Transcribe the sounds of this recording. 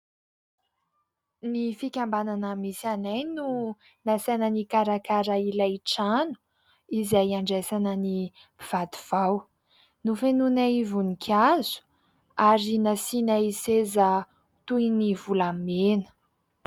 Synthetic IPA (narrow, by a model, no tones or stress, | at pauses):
nifikʲambananəmisanajnu | nasenənikaɾakaɾailaʈ͡ʂanu̥ | izajaɳɖ͡ʐesanəni | piv̥ad̪uv̥aw | nufenunaivunikʲʰazu̥ | aɾinasinaiseza | t̪ujnivulamenə̥